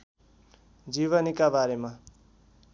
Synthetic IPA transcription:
d͡ziβʌnikabaɾema

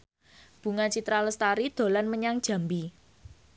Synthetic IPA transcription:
b̥ṳŋat͡ʃit̪ɾaləst̪aɾid̪̥o̤lanməɲaŋd̥ʒ̥ä̤mbi

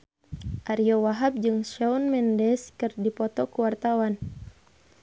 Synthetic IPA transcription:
ʔaɾiɔwaɦap̚d͡ʒɨŋʃɛunmɛndɛskɨrdipɔt̪ɔkuwart̪awan

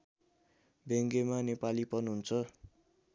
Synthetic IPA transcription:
beŋɡemanepalipʌnɦunt͡sʰʌ

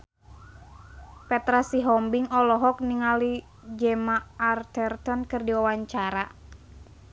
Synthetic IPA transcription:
pɛt̪ɾasiɦɔmbiŋɔlɔɦɔk̚niŋali | d͡ʒɛmaːrt̪ɛrt̪ɔnkɨrdiwawaɲt͡ʃaɾa

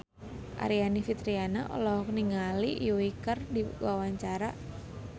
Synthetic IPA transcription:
ʔa̰ɾianifit̪ɾianaʔɔ̰lɔɦɔk̚niŋalijuwikərdiwawaɲt͡ʃaɾa

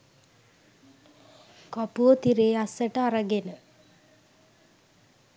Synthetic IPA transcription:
kapuət̪iɾeːasəʈəaɾəɡenə

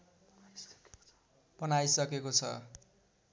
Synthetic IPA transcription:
pʌnajsʌkekot͡sʰʌ̰

